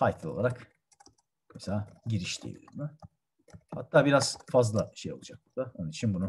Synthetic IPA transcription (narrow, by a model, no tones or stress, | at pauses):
fajt̪ʰlˠɯo̞lˠaɾak | mɛselaːɟiɾiʃt̪ʰʲḭlʲḭmɪ | ha̰t̪ʰːaːbiɾaz̥fazlˠaʃejo̞lˠud͡ʒak̚t̪d̪̥ao̞nunit͡ʃʰinbunu